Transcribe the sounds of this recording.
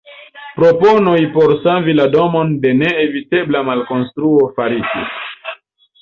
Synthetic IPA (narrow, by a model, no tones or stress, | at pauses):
pɾo̞po̞nojpo̞ɾsavilado̞mo̞nde̞ne̞evite̞blamalko̞nstɾuo̞faɾitḭ